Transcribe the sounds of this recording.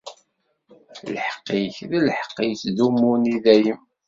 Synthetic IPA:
ləħə̥qːiçðiləħə̥qːijθðumːuniðæjəm

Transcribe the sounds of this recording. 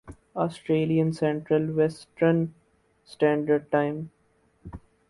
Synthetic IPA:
ɔːsʈɾeːliə̃nsɛ̃ɳʈɾəlʋɛsʈən | sʈæ̃ːɳɖəɖ̚ʈãɪ̃m

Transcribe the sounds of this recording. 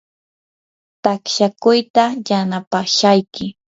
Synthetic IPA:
t̪akʃakʊjt̪ajanapaʃajkɪ

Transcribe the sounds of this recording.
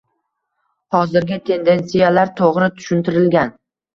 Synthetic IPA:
hɒzɪɾɡʲɪt̪ʰe̞nd̪e̞nsijalaɾt̪ʰoʁɾɪt̪ʰʊ̥ʃʊnt̪ɪɾɪlɡʲan

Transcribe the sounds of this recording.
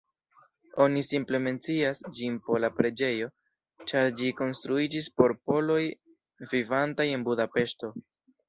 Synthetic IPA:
o̞nisimple̞me̞nt͡siasd͡ʒinpolapɾe̞d͡ʒe̞jo̞ | t͡ʃaɾd͡ʒiko̞nst̪ɾuid͡ʒispo̞ɾpo̞lo̞j | vivantaje̞nbudape̞ʃto̞

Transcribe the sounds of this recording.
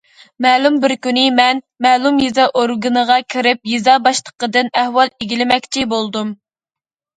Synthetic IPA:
mɛlumbɪɾkʲynɪmɛn | mɛlˠumjizɑʔoɾɡɨnəʁɑkʲʰiɾɪp̚jizɑbɑʃlˠə̥qəd̪ɨnæhwɑlˠeɡʲilɪmɛkʲt͡ʃʰibolˠd̪um

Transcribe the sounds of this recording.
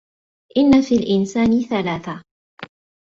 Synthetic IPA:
ʔɪnːafiːlʔɪnsaːnɪθalaːθa

